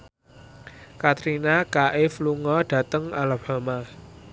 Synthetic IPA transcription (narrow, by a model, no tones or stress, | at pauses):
kat̪ɾinakaʔɪfluŋɔɖ̥ä̤t̪əŋalab̥a̤ma